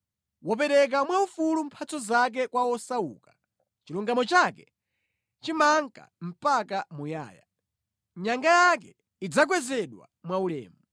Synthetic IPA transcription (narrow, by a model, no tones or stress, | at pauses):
wɔp̬ɛɾɛk̬amwaufulum̩pʰat͡sɔzak̬ɛkwawɔsaṵːkḁ | t͡ʃiluŋɡamɔt͡ʃakɛ | t͡ʃimaŋka̰m̩pakamuja̰ːja̰ | ɲaŋɡajakɛ | id͡zak̬wɛzɛɗwa̰mwaulɛ̰ːmu